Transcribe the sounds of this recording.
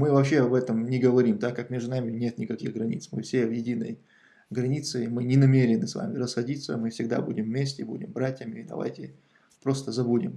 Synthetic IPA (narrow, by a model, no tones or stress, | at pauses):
mɨvɐpɕe̞ɐbɛt̪əmnʲɪɡəvɐɾʲimd̪akːakmʲeʐd̪ʊnamʲɪnʲe̞t̪nʲɪkɐkʲixɡɾɐnʲḭt̪smɨfsʲe̞vjɪdʲinə̰j | ɡɾɐnʲit̪sɨmɨnʲɪnɐmʲeɾʲɪnɨsva̰mʲɪɾəsxɐdʲit̪sə̰mɨfsʲɪɡ̚d̪a̰budʲɪmːʲesʲtʲɪbṵdʲɪmbɾatʲjəmʲɪːd̪ɐ̰va̰jtʲɪ | pɾo̞st̪əzɐbudʲɪm